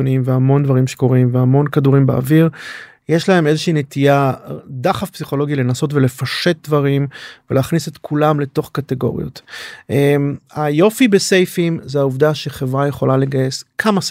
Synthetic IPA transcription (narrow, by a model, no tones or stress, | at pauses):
onimveamo̞nd̪vaʁimʃe̥ko̞ʁimveamo̞nkaduʁimbea̰viʁ | jeʃlae̞me̞zeʃiːnet̪ijadaχafpsiχo̞lo̞ɡile̞naso̞tve̞le̞faʃe̞t̚d̪vaʁimveleːχnisetkʰulamle̞to̞χkateɡo̞̰ʁḭo̞̰tʔemajo̞fibese̞jfimzeauvd̪aʃeχevʁaje̞χo̞laleɡaje̞skʰamas